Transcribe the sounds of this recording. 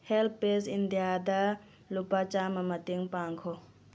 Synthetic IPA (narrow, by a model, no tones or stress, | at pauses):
hel̚pesindijadɐ | lupat͡ʃamɐmɐteŋpaŋkʰo